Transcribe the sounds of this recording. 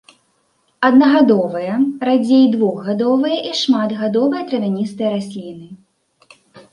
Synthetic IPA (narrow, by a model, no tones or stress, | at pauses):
ɐd̪nɐɣad̪ɔvɨjɐrad͡zʲejd̪vɔɣɣad̪ɔvɨjɐʔiʂmat̪ɣad̪ɔvɨjɐt̪ɾɐvʲanʲist̪ɨjɐɾasʲlʲinɨ